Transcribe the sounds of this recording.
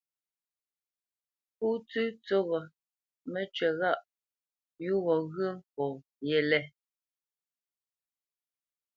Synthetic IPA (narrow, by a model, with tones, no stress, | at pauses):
pu˦t͡sʉ˦t͡so˦ɣɔ˨ | mɛ˦t͡ʃɛ˨ɣa˦˨ʔ | ju˦ɣɔ˨ɣɰə˦m̩˦pɔ˨ | jɛ˦˨lɛ˦˨